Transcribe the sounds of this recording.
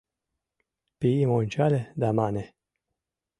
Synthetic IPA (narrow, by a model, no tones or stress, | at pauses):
piimonʲt͡ʃaled̪amane